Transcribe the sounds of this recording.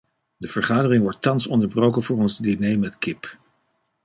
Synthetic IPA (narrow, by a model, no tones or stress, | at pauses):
dəv̥əɹχaːdərɪŋʋɔɹtːɑnsɔndəɹbrowkənvʊːɹɔnzdinejmɛtkɪp